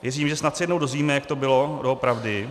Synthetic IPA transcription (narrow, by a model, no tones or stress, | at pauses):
vjɛziːmʒɛsnat̪sɪjɛdno̞wdo̞zviːmɛjak̚t̪o̞bɪlodoopɾavdɪ